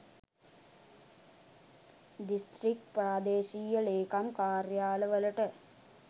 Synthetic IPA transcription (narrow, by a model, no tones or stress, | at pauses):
d̪ist̪ɾik̚ʈpɾaːd̪eːʃiːjəleːkamkaːɾjaːləʋələʈə